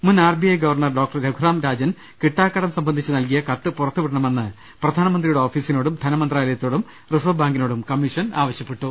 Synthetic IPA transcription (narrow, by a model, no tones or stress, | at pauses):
munːaːrbijɐjɡɐʋɐrɳɐrɖo̞ːk̚ʈɐrɾeɡʱuɾaːmɾaːd͡ʑɐn | kiʈːaːkːɐɽɐmsɐmbɐnd̪ʱit͡ɕːɨnɐlk̬ijɐkɐt̪ːɨpurɐt̪ːuʋiʈɐɳɐme̞nːɨ | prɐd̪ʱaːnɐmɐnd̪rijuɽeo̞ːfiːsino̞ːɽumd̪ʱɐnɐmɐnd̪raːlɐjɐt̪ːo̞ːɽum | rɨsobaːŋɡino̞ːɽumkɐmːiʂɐna̰ːʋɐɕjɐpːeʈːu